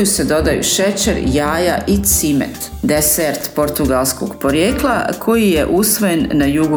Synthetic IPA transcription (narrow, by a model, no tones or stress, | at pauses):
use̞d̪o̞d̪ajṵʃe̞t͡ʃeɾjaːjaʔit̪simḛt̪ | d̪eseɾt̪po̞ɾt̪uɡalˠsko̞ɡpo̞ɾjeːklˠa̰kʰo̞jije̞ʔusʋo̞je̞nnajuɡu